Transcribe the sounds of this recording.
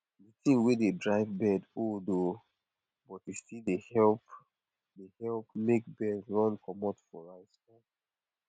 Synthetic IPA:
ditĩnwededɹaɪvbɛdodo | bɔtjustildehɛlp | dehɛlpmek̚bɛdɹɔ̃nkɔmɔtfɔɹaɪsfɔ

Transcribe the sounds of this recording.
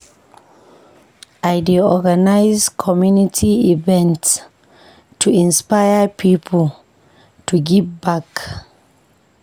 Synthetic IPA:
aɪdiɔɡanaɪzkʰɔmjunitʰiivɛ̃nts | tʰuĩnspajəpʰipʰəl | tʰuɡivbak

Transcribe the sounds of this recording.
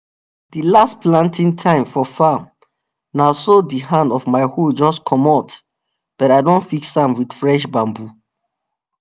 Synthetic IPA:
d̥ilastplãntʰĩŋtʰãɪ̃mfɔfam | nasɔdiɦãndɔvmaɪhud͡ʒɔskʰɔmɔt | b̥ɛtaɪdõntfiksãmwid̥fɹɛʃbãmbu

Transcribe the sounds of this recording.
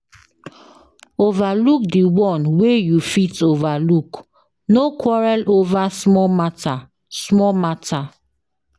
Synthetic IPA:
ovaluk̚diwɔ̃nwejufitovaluk | nokʰwɔɹalovasmɔmata | smɔmatʰa

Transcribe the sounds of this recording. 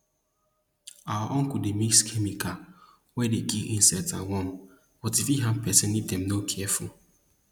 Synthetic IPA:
awaʔɔ̃ŋkudemikskʰɛmikʰa | wɛdeɡiʔĩnsɛtawɔ̃m | b̥ɔtifiɦanpɛsɪ̃nːiddɛ̃mnokʰɛɛful

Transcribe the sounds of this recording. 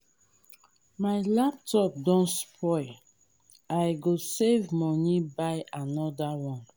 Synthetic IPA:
majlap̚tɔp̚dɔ̃nspʰɔj | ajɡosevmɔnibajanɔdawɔ̃n

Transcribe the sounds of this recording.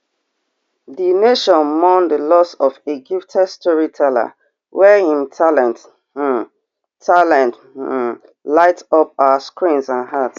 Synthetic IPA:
dineʃɔ̃nmɔ̃ndəlɔsɔfeɡiftʰɛstʰɔɹitʰɛla̰ | wɛhĩmtʰalɛ̃nt | tʰalɛ̃nt | laɪtɔp̚aaskɹĩnsãnhats

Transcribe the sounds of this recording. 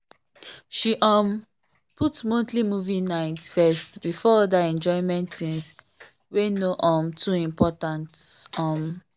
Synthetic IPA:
ʃiʔɔ̃m | putmõntlimuvinaɪtfɛstbifɔɔdaɛ̃nd͡ʒɔɪmɛ̃ntːĩŋs | wenoʔɔ̃mtʰuĩmpʰɔtãntɔm

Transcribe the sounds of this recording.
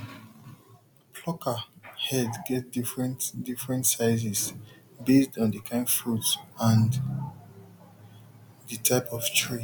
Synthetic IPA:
pʰlɔkʰəhɛdɡɛt̚difɹɛ̃ntdifɹɛ̃ntsaɪzɛs | besdɔ̃ndɨkʰãɪ̃nfɹutsãn | dɨtʰaɪpɔv̥tʰɹi

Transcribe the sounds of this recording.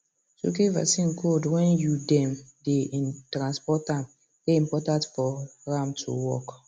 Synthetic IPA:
so̰kiva̰sĩnkodwɛ̃njudɛ̃mdeĩntɾãnspɔtãm | deĩmpɔtãntfɔɹamtʰṵwɔ̰k

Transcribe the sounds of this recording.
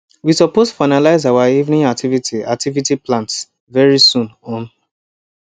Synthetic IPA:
wisɔpostfaɪnalaɪzawaivnĩŋak̚tʰivitʰia̰k̚tʰivitiplãnts | vɛɹisũnɔ̃n

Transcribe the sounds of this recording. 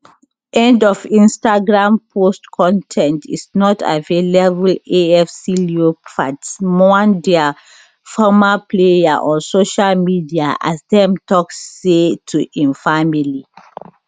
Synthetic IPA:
ʔɛ̃ndɔfĩnstaɡɹãmpʰostkʰɔ̃ntʰɛ̃ntʰḭsnɔtʰa̰velebuleɛfsiliopʰatsmɔ̃ndɛa | fɔmaplejaʔɔ̃nsoʃalmidiaʔa̰sdɛ̃mtɔksːetʰuʔĩnfamili

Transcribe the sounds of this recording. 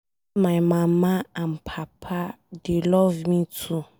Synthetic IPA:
majmãmãanpʰapʰa | delɔvmĩtʰu

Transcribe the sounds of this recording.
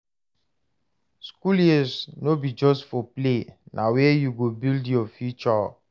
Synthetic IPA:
skulɛsnobid͡ʒɔstfɔplenʔawejuɡobildjɔfjut͡ʃɔ

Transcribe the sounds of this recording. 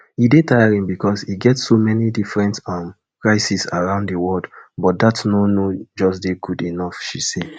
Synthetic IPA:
idetajaɹĩmbikɔsiɡɛtsːomɛnidifɹɛ̃ntãm | kɹaɪsisaɹãʊ̃nddəwɔldbɔt̚datnonod͡ʒɔsdeɡudinɔfʃise

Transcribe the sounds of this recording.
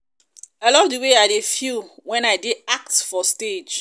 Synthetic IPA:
aɪlɔvdəweaɪdefuwɛ̃naɪdiak̚tfɔsted͡ʒ

